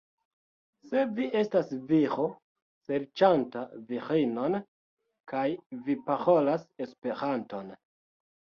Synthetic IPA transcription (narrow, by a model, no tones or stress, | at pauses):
se̞vie̞stasvixo | se̞ɾt͡ʃantavixino̞n | kajvipaɾo̞lase̞spe̞ɾanto̞n